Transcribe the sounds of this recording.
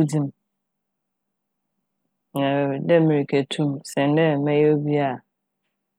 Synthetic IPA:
dĩ˦m | nɛ˨dɛ˦mĩ˨ɾi˨kʰe˨tʰũ˦msɛ̃˨n˦dɛ˦˨mɛ̃˦jo˦bi˦a˨

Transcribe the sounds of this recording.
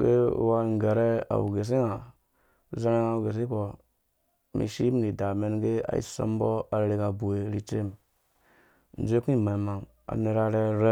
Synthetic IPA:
ɡḛ˦wa˦˨ŋ˨ɡa˨ɾe˦a̰˨wṵ˨ɡe˨s̬i˦ŋa˨ | za˦ɾe˦ŋa˦˨u˨ɡe˨s̬i˦ko˨ | mḭ˨ʃi˦m˦˨ɾi˨da˨me˦nɡe˦a̰˨˦ḭ˦so̰˦mbo˦a˨ɾɾe˨ka˨bu˨we˨ɾi˨t͡ʃe˦m | n̩˨d͡ʒʷe˦ki˦i˦˨ma˨ma˨ŋ | a̰˨ne˨ɾa˦ɾe˦ɾe˦

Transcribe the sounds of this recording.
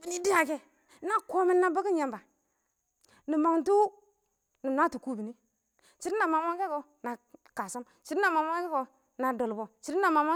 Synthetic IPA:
bi˨ni˦di˦a˨ke˦ | na˦ko˦mi˦nna˦ba˦ki˦n˦ja˦mba˨ | ni˨ma˨ŋtu˦ | ni˨na˦tu˨ku˦bi˨ni˦ | t͡ʃi˨˦ɾi˦na˨ma˨ma˦ke˦ko˨ | na˨ka˨sa˦m | t͡ʃi˨ɾi˦na˨ma˨mʷa˦ke˦ko˨ | na˨do˨lbo˨t͡ʃi˨ɾi˦na˨ma˨ma˦

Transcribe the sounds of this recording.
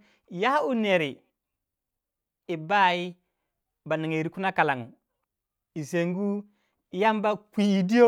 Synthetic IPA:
ja˦u˦ne˨ɾi˨ | i˨ba˦i˦ | ba˨ni˨ŋi˨ɾi˨ku˦na˦ka˨la˨ŋṵ˨ | i˨se˨ŋɡu˦ | i˨ja˦mba˦kʷi˦i˨di˦o˦

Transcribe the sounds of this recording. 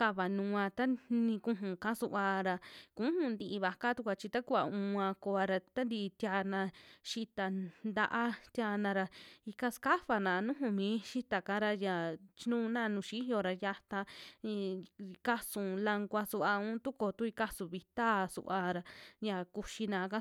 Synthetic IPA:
ka˧βa˨nũ˧ã˧t̪a˦nĩ˧kũ˧ɦũ˨kã˦su˧ʔa˧ɾa˧kũ˨˦hũ˧nd̪i˧βa˧ka˦t̪u˧kʷa˧t͡ʃi˧t̪a˦ku˦a˨ũ˧ã˧ko˧a˧ɾa˧t̪a˦nd̪i˧t̪ʲa˧nã˧ʃi˧t̪a˧nd̪a˧ʔa˦t̪ja˧nã˧ɾa˧i˧ka˦ska˦fa˧nã˨˧nũ˦ɦũ˧mĩː˨˦ʃi˦t̪a˨kã˧˦ɾa˧ja˨t͡ʃi˦nũ˦˧˦nã˦˧nũ˧˨ʃi˦jo˧ɾa˧ja˧t̪ã˧ | ka˦sũ˨la˧ŋɡʷa˧su˧ʔa˧ũ˦t̪u˦ko˨t̪u˦i˧ka˦sũ˨βi˧t̪a˦sṵ˧ʔa˧ɾa˧ja˨ku˧ʃi˧nã˧kã˦

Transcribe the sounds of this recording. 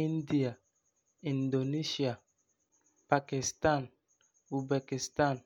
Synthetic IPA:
i˦n˦di˨a˨ | i˨ndo˨ni˦ʃi˨a˨ | pa˨ki˨sta˦˨n | u˨be˨ki˨sta˦˨n

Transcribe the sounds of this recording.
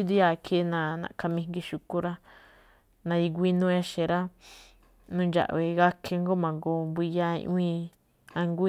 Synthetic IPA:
i˦d̪i˧ja˨˧kʰe˦nã˧nã̰˨ka˧mĩ˧ŋɡi˧ʃu˧ku˧ɾa˦ | nã˧i˧ɡʷi˦nũ˦e˦˧ʃẽ˨ɾa˦ | nũ˦˧nd͡ʒa̰˨ʔβe˧ɣa˦kʰe˧ŋɡo˦mã˨ŋɡo˧mbʷi˧ja˧ḭ̃˧ʔũ˦ĩ˧ | ã˧ŋɡʷ

